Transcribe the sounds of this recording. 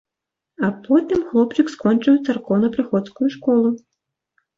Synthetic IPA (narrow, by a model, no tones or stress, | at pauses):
apʰɔt̪ɨmxlˠɔpt͡ʃɨkskɔnt͡ʂjɛt̪sɐrkɔwnɐpɾɨxɔt̪skʊjuʂkɔlˠu